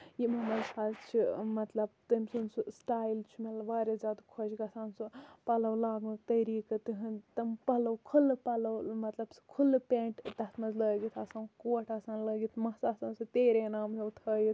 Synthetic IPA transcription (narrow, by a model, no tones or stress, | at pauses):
jimɐmɐzsaːzt͡ʃʰimɐt̪lɐb̚t̪ɐmʲsunsusʈaːjlt͡ʃʰimɐt̪lɐʋaːɾʲezʲaːd̪kʰod͡ʒɡɐsaːnsɨpɐlɐwlaːɡɨt̪ɐɾiːkɨt̪ɨɦɐnt̪ɐmpɐlɐwkʰulpɐlɐwmɐt̪lɐbskʰulpẽːʈt̪ɐt̪ʰmɐnzləːɡit̪ʰɐsaːnkoːʈʰasaːnləːɡit̪ʰmɐsaːsaːnsɨt̪eːɾenaːmɦewt̪ʰəːjit̪ʰ